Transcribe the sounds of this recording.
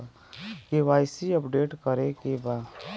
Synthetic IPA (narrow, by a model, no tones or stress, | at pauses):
keʋaːjsiəpɖeːʈkəɾekebaː